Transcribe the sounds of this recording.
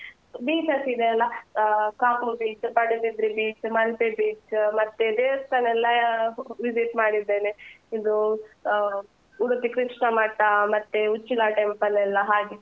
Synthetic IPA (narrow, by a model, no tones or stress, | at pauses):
biːt͡ʃɐsid̪eɐlːɐkaːpubiːt͡ʃpɐɽid̪id̪ɾibiːt͡ʃmɐlpebiːt͡ʃmɐt̪ːed̪eːɐst̪ɐnɛlːɐʋid͡ʒiʈmaːɽid̪ːeːneid̪u | uɾut̪ikɾiʂɳɐmɐʈːamɐt̪ːeut͡ʃːilaʈempɐlɛlːɐɦaːɡe